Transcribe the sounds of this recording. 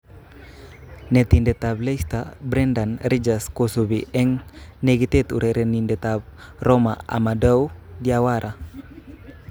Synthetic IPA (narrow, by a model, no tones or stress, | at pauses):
net̪indet̪ablest̪abɾɛndanrid͡ʒaskosubiʔɛŋneɡit̪et̪ṵɾeɾʔenindet̪ab̚roma̰a̰madawdiawaɾʔa